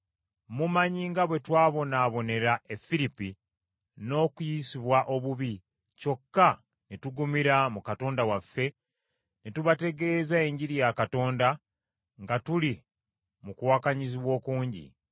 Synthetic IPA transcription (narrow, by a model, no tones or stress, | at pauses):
mumaɲiŋɡaβwe̞twaːβo̞naːβo̞ne̞ɾae̞fːiɾipi | no̞ːkujisiβwaʔo̞βuβi | co̞kːa | netuɡumiɾamukato̞ːndawafːe̞ | netuβate̞ɡe̞ːzae̞ɲɟiɾijakato̞ːnda | ŋɡatuli | mukuwakaɲiziβwo̞ːkuːɲɟḭ